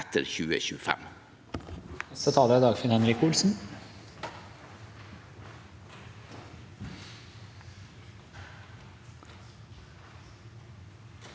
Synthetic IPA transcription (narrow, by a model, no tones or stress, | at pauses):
t̪ʰəɾçʉːə̰çʉːəfɛ̰m | nɛst̪ət̪ʰɑːləɾæd̪ɑːɡfɪnhɛnɾɪkuːlsn̩